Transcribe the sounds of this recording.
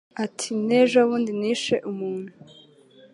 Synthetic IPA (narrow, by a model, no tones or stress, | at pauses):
atʰineːʒaβuːndiniːʃe̞ʔumuːn̥hu